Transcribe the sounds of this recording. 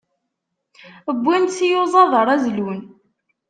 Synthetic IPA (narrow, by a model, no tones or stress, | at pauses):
əbʷːænsijozˤɑðˤəɾˤæzlun